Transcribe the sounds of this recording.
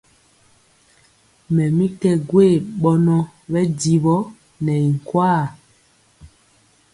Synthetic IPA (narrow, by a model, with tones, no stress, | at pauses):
mɛ˨mi˦tɛ˦ɡwe˦˨ɓɔ˦nɔ˦ɓɛ˦di˨βɔ˦ | nɛ˨i˨ŋ˨kwaː˦˨